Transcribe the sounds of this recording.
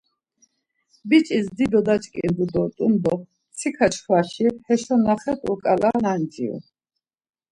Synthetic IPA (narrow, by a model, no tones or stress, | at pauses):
bit͡ʃʼisd̪id̪ɔd̪at͡ʃʼkʼḭnd̪ud̪ɔt̪ʼumd̪ɔ | t͡sʰikʰat͡ʃʰχwaʃihɛʃɔnaχɛt̪ʰʼɔkʼalanand͡ʒḭṵ